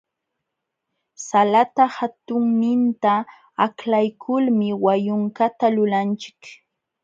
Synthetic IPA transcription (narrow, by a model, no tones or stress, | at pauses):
salat̪ahat̪ʊŋnɪnt̪a | aklajkʰʊlmɪwajʊŋkat̪alʊlant͡ʃɪ̥k